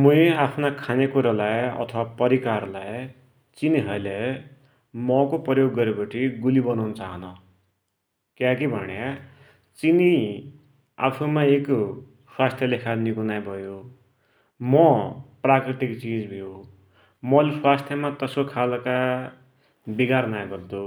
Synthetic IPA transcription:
mueapʰnakʰanekuɾalajʌ̰t̪ʰʌwapʌɾikarlaj | t͡siniɦʌle | mʌkoprʌjoɡːʌɾepʌʈʰiɡulibʌnanʌt͡saɦʌnʌ | kjakibʱʌ̰nja | t͡sini | a̰pʰumaek | swast̪ʰjʌlekʰanikunajbʱʌjo | mʌprakriʈikt͡sid͡zbʱijo | mʌleswast̪ʰjʌmat̪ʌskokʰalka | biɡarnajbʌd̪o

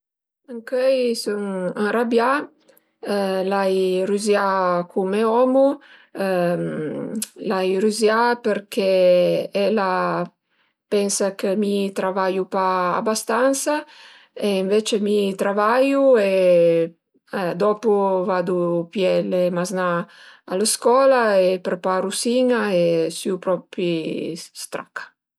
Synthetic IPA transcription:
aŋkɛjsuŋaŋrabja | lajɾyzjakʰumeɔmu | m | lajɾuzjapəɾkɛɛla | pɛnsakəmit̪ɾavaʎupaa̰bast̪ansa | eiɱvet͡ʃemit̪ɾavajue | d̪ɔpuvad̪upjɛlemaznaː | ləskɔːlaepɾepaɾusiŋaesyupɾɔpist̪ɾa̰kḁ

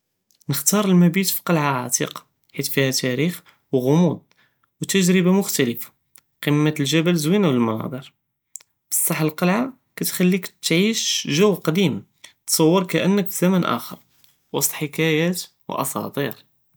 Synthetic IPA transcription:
nəxt̪ɑɾˤəlmæbit̪fi̥qɑlʕaʕat̪ḭqɑ̥ | ħit̪fihæt̪æɾix | wɣʊmud̪̚ˤ | wt̪əʒɾəbamʊxt̪æləfḁ | qəmːət̪lʒæbælzwinawəlmɑnɑ̰d̪ˤiɾ | bə̥sˤːɑħəlqɑlʕa | kæt̪xælːikt̪ʕiʃʒəwːqɑd̪im | t̪sˤɑwːəɾkæʔənːəkfizæmænʔæ̰xə̰ɾˤ | wɑ̰sˤt̪ˤħəkæjæt̪ | w̰ʔɑ̰sˤɑ̰t̪ˤiɾ

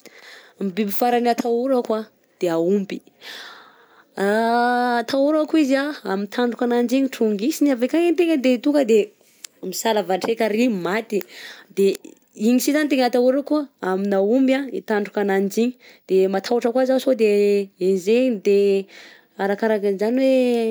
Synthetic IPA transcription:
mibibifaɾaniat̪ʰauɾakwa | d̪̥eaumbi | aː | t̪ʰauɾakuizaa̰mint̪ʰaɳɖ͡ʐukanand͡ʒiɲiʈ͡ʂuŋɡisiniavekaŋent̪eŋəd̪et̪uŋɡəd̪e | misalavaʈ͡ʂekaɾimat̪id̪e | iɲisizant̪eŋat̪auɾakuaaminaumbjãit̪aɳɖ͡ʐukanand͡ʒiɲi | d̪̥emat̪ʰauaʈ͡ʂəkwazasod̪eenzeɲd̪e | aɾakaɾakinzaniwe

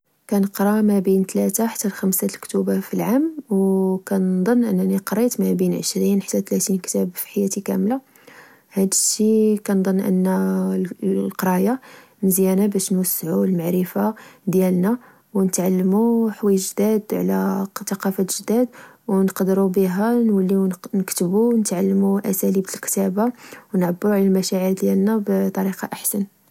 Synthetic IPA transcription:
kænəqɾˤɑmæbint̪læt̪aħḁt̪ːælxæmsalkt̪ubafilʕamwkænd̪ˤɑnːʔənːæniqɾˤit̪mæbinʕəʃɾinħat̪ːæt̪læt̪inkt̪æbfi̥ħajæt̪ikæ̰mla | hæd̪əʃikænd̪ˤɑnːʔə̰nːæ | lqɑɾˤɑja | məzjænabæʃnwəsːʕulmaʕɾəfad̪jælnæ | wnət̪ʕalːəmuħwæjːəʒd̪æd̪ʕlæt̪ɑqɑfæʒd̪æd̪wnqd̪ɾubiɦænwəlːiwnnəkt̪əbunət̪ʕalːmuʔæsælibt̪əlkt̪æbawnʕabːɾuʕlælmæʃæʕəɾd̪jælnæbt̪ˤːɑɾiqɑʔaħsən

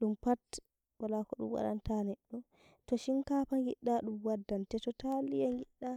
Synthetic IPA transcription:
ɗumpat | walakɔɗṵmwa̰ɗa̰ntanɛɗːɔ | tɔʃinkapaŋɡiɗːaɗumwadːantɛtɔtalijaŋɡiɗːa

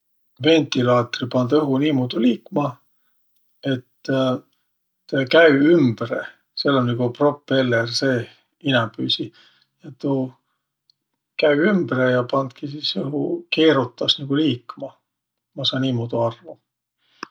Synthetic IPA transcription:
ve̞nʲt̪ˑilɑːt̪ripɑnd̪̥ɤɦuniːmod̪̥uliːkːmɑ | e̞t̪ː | kæɥyymb̥rḛ | selːonʲniɡ̥upro̞pːˑe̞lːerse̞ː | inɑpyːsi | jɑt̪u | kæyymbɾejɑpɑnd̪̥kisisɤɦuke̞ːɾut̪ːˑɑsniɡ̥uliːkmɑ | mɑsɑːniːmod̪̥uɑrvu

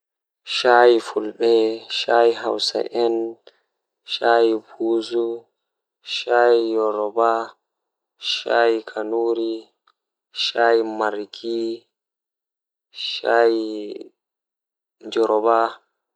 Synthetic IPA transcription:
ʃajifulɓɛʃaːjiɦawsa̰ʔɛn | ʃaːjibuːzu | ʃaːjijɔɾɔba | ʃaːjikʰanuɾi | ʃaːjimaɾki | ʃaːji | nd͡ʒɔɾɔba

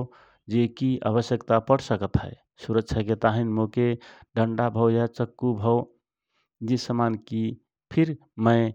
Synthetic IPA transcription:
d͡ʒekia̰βəsjəkt̪apəɽsəkət̪ɦəe | suɾəkt͡ʃʰaket̪aɦinmokeɖəɳɖabʱəʊjat͡ʃəkːubʱəʊ | d͡ʒesəmanki | pʰiɾ | məɪ

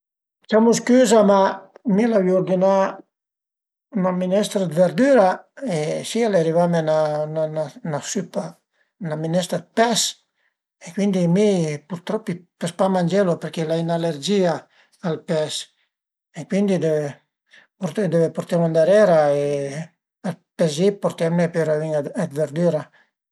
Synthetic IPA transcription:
t͡ʃamuskyːzamamilaviuɾd̪ina | naminɛst̪ɾad̪veɾd̪yːɾaesialeaɾivamenanananasypa | naminɛst̪ɾad̪̚pɛs | ekwind̪imipuɾt̪ɾɔpːipespamand͡ʒelopeɾkelainaleɾd͡ʒia | alpɛs | ekwind̪id̪e | put̪d̪evepoɾt̪ɛmand̪aɾɛɾae | alpɛzipoɾt̪ɛmnepeɾaviŋaɛd̪veɾd̪yɾa

